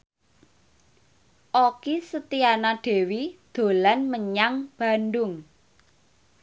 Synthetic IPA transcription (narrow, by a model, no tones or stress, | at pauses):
ʔokisət̪ianaɖ̪̥e̤wid̪̥o̤lanməɲaŋb̥a̤nɖʊŋ